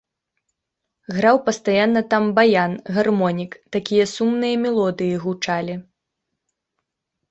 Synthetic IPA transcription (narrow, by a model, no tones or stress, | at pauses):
ɣɾawpɐst̪ajanːɐt̪ambajanɣarmɔnʲikt̪akʲijɐsumnɨjɐmʲɛlˠɔd̪ɨjiɣut͡ʂalʲi